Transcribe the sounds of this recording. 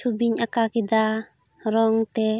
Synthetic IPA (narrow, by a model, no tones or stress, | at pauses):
ubiɲakakid̪a | ɾɔŋt̪ɛ